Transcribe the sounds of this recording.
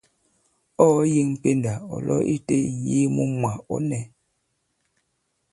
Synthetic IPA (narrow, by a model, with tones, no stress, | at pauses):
ɔ˦ji˦ŋm̩˨pe˦nda˨ɔ̰˨lɔ̰˦ʔi˦te˦˨ji˦mu˦mwa˨ɔ̰˨˦nɛ˨